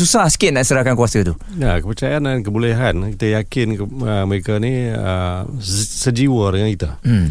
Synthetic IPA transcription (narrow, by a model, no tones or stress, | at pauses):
susahsə̥kɪʔ̪̚naʔsəɾakankuasət̪u | jakəpərt͡ʃajandank̬əbulɛɦankit̪əjakɪnkəməɾekaniə̰ | səd͡ʒiwədəŋankit̪am̩